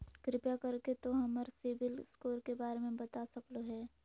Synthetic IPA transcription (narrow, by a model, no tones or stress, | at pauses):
kɾɪpjakɐɾket̪oɦɐməɾseːbɪlskoːɾkebaːɾemẽbɐt̪asɐkloɦɛː